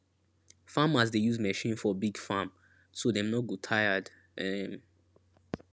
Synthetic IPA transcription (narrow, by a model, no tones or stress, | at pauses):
famas̬dejuzmɛʃĩnfɔbiɡfam | sodɛ̃mnɔt̚ɡotʰajad | ɛ̃m